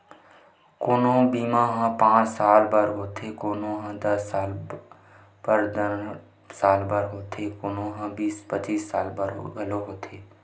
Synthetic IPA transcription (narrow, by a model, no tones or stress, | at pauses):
kʊnõːbiːmãːɦãpãːt͡ʃsaːlbəɾɦoːt̪ʰeːkoːnõːɦãd̪əsaːl | bəɾd̪ə | saːlbəɾɦoːt̪ʰeːkʊnõːɦãbiːspət͡ʃiːsːa̰ːlbəɾbəloɦoːt̪ʰeː